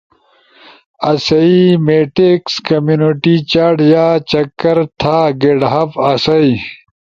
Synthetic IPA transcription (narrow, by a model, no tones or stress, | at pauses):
ɐsɐimeːʈekskɐmjuːnoʈit͡ɕaɽjaːt͡ɕɐkːɐɾt̪ʰaːɡeɖɦɐbɐsɐi